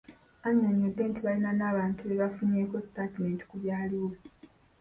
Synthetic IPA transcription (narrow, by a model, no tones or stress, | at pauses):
aɲoɲːodːe̞ːntiβalinanaːβaːntʰuβeβafuɲe̞ːko̞si̥tatime̞ːnti̥kuβjaːliwo